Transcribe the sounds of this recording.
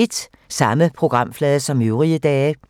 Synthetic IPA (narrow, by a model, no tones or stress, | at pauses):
e̝d̥ | sɑ̈məpʰʁo̝ɡ̥ʁɑ̈m̰flɛːðˠəsɒ̽møʊʁiəd̥ɛː